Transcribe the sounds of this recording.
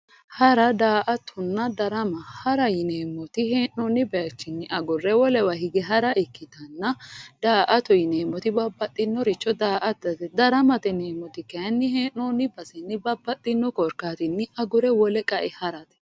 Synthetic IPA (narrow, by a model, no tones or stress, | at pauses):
hɐɾɐd̪aːʔɐt̪ʰʊnːɐd̪ɐɾɐmɐhɐɾɐjɪneːmːɔt̪ɪheːnːoːnɪbɛɐt͡ʃːɪnːɪʔɐɡʊrːɛwɔlɛwɐhɪɡɛɦɐɾɐʔɪkːɪt̪ɐnːɐd̪̥aːʔɐt̪ɔjɪneːmːɔt̪ɪbɐbːɐt̪ʼːɪnːɔɾɪt͡ʃːɔd̪aːʔɐt̪d̪ɐɾɐmɐt̪ɛneːmːɔt̪ɪkɐnːɪheːnoːnɪbɐsɛnːɪbɐbːɐt̪ʼːɪnːɔkɔɾkaːt̪ɪnːɪʔɐɡʊɾɛwɔlɛkʼɐʔɛhɐɾɐt̪ɛ̥